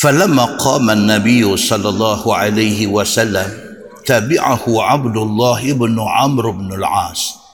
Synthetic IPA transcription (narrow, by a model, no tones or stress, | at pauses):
falamːaqɑːmanːabɪjːʊsˤɑlːɑlˤːɑːhʕalajhɪwasalːam | t̪aːbɪʕahʊʕabd̪ʊlˤːɑːhʔɪbnʊʕamɾɪbnɪlʕaːs